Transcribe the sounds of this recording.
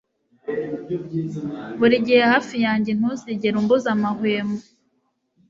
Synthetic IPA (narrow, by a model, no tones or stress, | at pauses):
βuɾiɟihehaːfijaːɲɟen̥huziɟeɾumbuzamahweːmo